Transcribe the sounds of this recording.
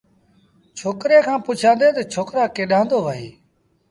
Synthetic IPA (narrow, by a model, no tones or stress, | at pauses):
t͡ʃʰoːkɾeːkʰãːpʊt͡ʃʰãːnd̪eːt̪ət͡ʃʰoːkɾaːkeːɗãːnd̪oːʋaːḛː